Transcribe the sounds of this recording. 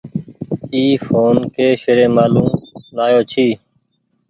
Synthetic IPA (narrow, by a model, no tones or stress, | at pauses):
iːfoːnkeːʃəɾẽːmaːlũːmnaːjoːt͡ʃʰiː